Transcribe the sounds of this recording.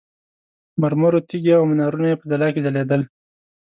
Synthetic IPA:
maɾmoɾot̪iɡeawmɪnɑɾunajepəd̪alɑked̪aled̪əl

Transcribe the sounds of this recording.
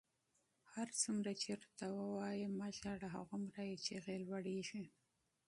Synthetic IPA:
haɾt͡sumɾat͡ʃeɾt̪awəwɑjimaʃaɽaɦa̰ɣumɾajet͡ʃeɣelwaɽiʒi

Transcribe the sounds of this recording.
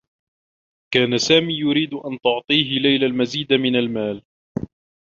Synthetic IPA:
kaːnasaːmiːjʊɾiːd̪ʔant̪ʊʕt̪ˤiːɦɪlajlalmaziːd̪amɪnalmaːl

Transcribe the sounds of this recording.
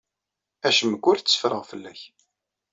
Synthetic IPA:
æʃəməɡʷːʊɾθt͡sːə̥fɾəʁfəlːæç

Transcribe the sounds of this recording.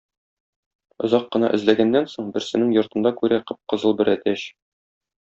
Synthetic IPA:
ŏzɑqːɤ̆nɑ̰ʔɘ̆zlæɡænːænsoɴbɘ̆ɾsɘ̆nɘŋjŏɾt̪ɤ̆nd̪ɑkʉɾæqɤp̚qɤ̆zɤlˠbɘɾʔæt̪æɕ

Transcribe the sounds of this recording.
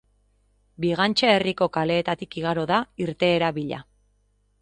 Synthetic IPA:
biɣant͡ʃaeriko̞kale̞ːt̪at̪ikiɣ̞aɾo̞ðaiɾt̪e̞ːɾaβiʎa̰

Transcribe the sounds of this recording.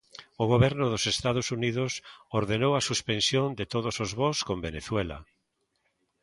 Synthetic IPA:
ʊɣoβɛɾnʊðosest̪aðʊsuniðʊsoɾðenowasuspensjond̪et̪oð̞ʊsozβoskõmbeneθwɛla̰

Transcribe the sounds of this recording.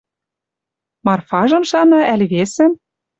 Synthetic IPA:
mɑrfɑʒɤ̆mʃɑnɑʔælʲβesɘ̆

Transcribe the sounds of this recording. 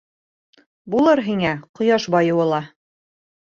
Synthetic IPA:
bulˠɤɾɦiŋæqŏjɑʃbɑjɤ̆wɤ̆lˠɑ

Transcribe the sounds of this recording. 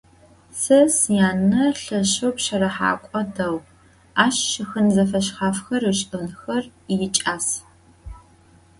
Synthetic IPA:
sɐsjaːnːɐɬɐɕowpɕɐɾɐħa̰ːkʷʼɔdɐw | aːʃʃɪxɨnzɐfɐɕχaːfxɐrɨɕʼɨnxɐrjɪt͡ʃʼaːs

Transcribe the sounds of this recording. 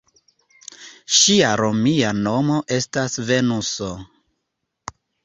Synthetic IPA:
ʃiaɾo̞miano̞mo̞ʔe̞stasve̞nuso

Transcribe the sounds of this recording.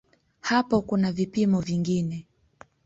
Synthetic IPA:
hapɔkunavipimɔviŋɡinɛ

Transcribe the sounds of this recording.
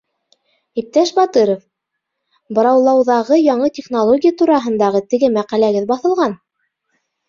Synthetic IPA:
ip̚t̪æʃbɑt̪ɤɾŏf | bɤ̆ɾɑwlˠɑwðɑʁɤjɑɴɤt̪ʲeχnolˠoɡʲijat̪uɾɑɦɤ̆nd̪ɑʁɤt̪ɘ̆ɡɘmæqælæɡɘðbɑθɤ̆lˠʁɑn

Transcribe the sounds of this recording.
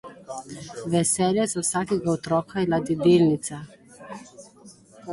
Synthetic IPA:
ʋɛsɛljɛsɔwsakɛɡaɔt̪ɾɔːkailad̪id̪elnit̪sa

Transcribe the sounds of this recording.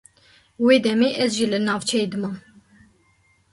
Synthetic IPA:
weːd̪ɛmeːʔɛzʒiːlɨnɑːvt͡ʃʰɛjeːd̪ɨmɑːn

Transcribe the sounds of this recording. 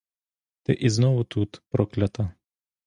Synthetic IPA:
t̪ɛ̰ʔiznɔʋʊt̪ʰut̪pɾɔklʲɐt̪ɐ

